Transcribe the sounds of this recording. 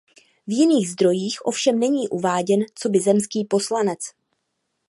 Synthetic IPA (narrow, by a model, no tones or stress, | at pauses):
vjɪniːɣzd̪ɾo̞jiːxʔo̞fʃɛmnɛɲiːʔuvaːɟɛnt͡so̞bɪzɛmskiːpo̞slanɛt͡s